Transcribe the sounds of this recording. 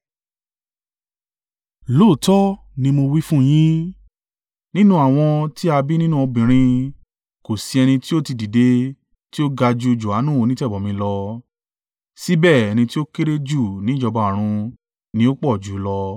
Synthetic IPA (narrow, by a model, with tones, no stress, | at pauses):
loː˦˨tɔ˦ | nĩ˧mo˧wi˦fũ˦j̃ĩ˦ | nĩ˦nũ˦a˨w̃ɔ̃˧ti˦a˧bi˦nĩ˦nũ˦ɔ˧bĩ˨ɾ̃ĩ˧ | ko˨si˨˧ɛ˧nĩ˧ti˦o˦ti˧di˨de˧ | ti˦o˦ɡa˧d͡ʒu˧d͡ʒu˨a˨˦nũ˦o˧nĩ˦tɛ˦˨bɔ˨mĩ˧lɔ˧ | si˦bɛ˦˨ɛ˧nĩ˧ti˦o˦ke˦ɾe˦d͡ʒu˦˨nĩ˨˦d͡ʒɔ˧ba˨˧a˨ɾ̃ũ˧ | nĩ˧˦o˦k͡pɔ˦˨d͡ʒu˨˦lɔ˧